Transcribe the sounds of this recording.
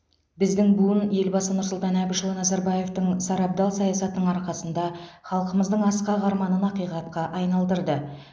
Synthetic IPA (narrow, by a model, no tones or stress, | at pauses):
bɪzd̪ɪŋbuənje̞lbɑsənʊɾsʊlˠt̪ɑnæbɪʃəlˠənɑzɑɾbɑje̞ft̪əɴsɑɾɑp̚d̪ɑlˠsɑjɑsɑt̪ənəɴɑɾqɑsənd̪ɑχɑlˠqəməzd̪əɴɑsqɑʁɑɾmɑnənɑqijqɑt̪̚qɑʔɑjnɑlˠd̪əɾd̪ə